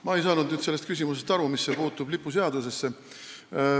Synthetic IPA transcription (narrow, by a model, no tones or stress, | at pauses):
mɑe̞jsɑːnud̪nyːd̪selːet̪kys̬ʲimusest̪ɑɾumisːe̞puːt̪ːˑub̥lipːˑus̬eɑd̪use̞sːe̞